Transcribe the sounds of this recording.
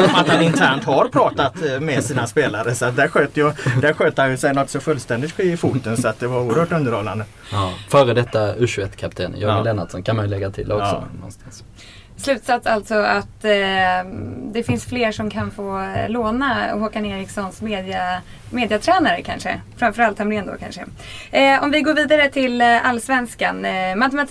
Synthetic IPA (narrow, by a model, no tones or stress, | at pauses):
ɔmat̪hanɪnt̪ʰæːɳʈ̪haɾpʰɾɑːt̪at̪mɛsiːnaspeːlaɾəsɔat̪̚d̪æːɾɧøːt̪əjɵd̪æɾɧøːt̪əhanjɵsɛjnɔt̪ːsɔfɵlːst̪ɛnd̪ɪt̪bʰɪfuːt̪ənsɔat̪̚d̪ɛvaɾuːəɾhœːʈɵnd̪əɾhɔlːand̪ə | fœːɾəd̪ɛt̪ːaʉɕɵɛt̪ːkʰapt̪ʰḛːnjɑ̰ɪlɛnːat̪sɔnkʰanmanjʉlɛɡːat̪ʰɪ̰lɔksɔ̰nɔ̰nst̪ḁns | slʉ̟ːt̪sat̪salt̪sɔat̪ | d̪ɛfɪnsfleːʂɔmkʰanfoːloːnaɔ̰ɦɔkaneːɾɪksɔnsmeːd̪ɪa | meːd̪ɪat̪ʰɾɛːnaɾəkʰa̰nʂə̰fɾamfœɾalt̪hɛmɾeːnd̪o̰kʰa̰nʂə̰ | ɔmvɪɡoːɾviːd̪aɾət̪ʰɪlalːsvɛnskanmat̪ɛmat̪ʰ